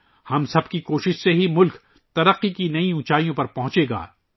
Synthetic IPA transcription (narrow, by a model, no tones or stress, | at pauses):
hɐmsɐb̚kikoːʃɪʃseɦimʊlk | t̪ɐɾɐqːikinɐĩũːt͡ʃaːijõpɐɾpɐɦʊ̃t͡ʃeːɡa̰ː